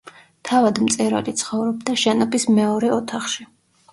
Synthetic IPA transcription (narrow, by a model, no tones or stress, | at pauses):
t̪ʰavad̪mt̪sʼɛɾa̰lit̪sʰχɔvɾɔbd̪aʃɛnɔbismɛɔɾɛɔt̪ʰaχʃi